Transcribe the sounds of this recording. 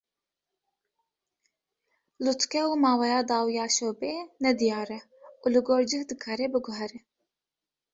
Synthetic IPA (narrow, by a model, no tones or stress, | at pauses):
lut̪kɛuːmɑːwɛjɑːd̪ɑːwijɑːʃoːbeːnɛd̪ijɑːɾɛ | uːlɨɡoːɾd͡ʒɨhd̪ɨkʰɑːɾɛbɨɡʊɦɛɾɛ